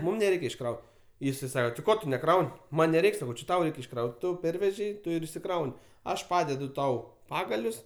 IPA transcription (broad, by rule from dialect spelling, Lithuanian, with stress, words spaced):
ˈmʊm nʲɛˈrʲɛɪkʲɛ ɪʃˈkrɐʊt ˈjɪsɐɪ ˈsɑːkoː tʲɪ ˈkoː tʊ nʲɛˈkrɐʊnʲ ˈmɐnʲ nʲɛˈrʲɛɪkʲ sɐˈkɐʊ t͡ʃʲɪ ˈtɐʊ ˈrʲɛɪkʲ ɪʃˈkrɐʊtʲ ˈtʊ ˈpʲɛrʲʋʲɛʒʲɛɪ ˈtʊ ɪr ɪʃʲsʲɪˈkrɐʊnʲ ˈɐʃ ˈpɑːdʲɛdʊ ˈtɐʊ ˈpɑːɡɐlʲʊs